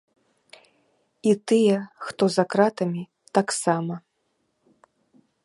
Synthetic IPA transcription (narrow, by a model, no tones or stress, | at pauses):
it̪ɨjɛxt̪ɔzakɾat̪ɐmʲi | t̪aksamɐ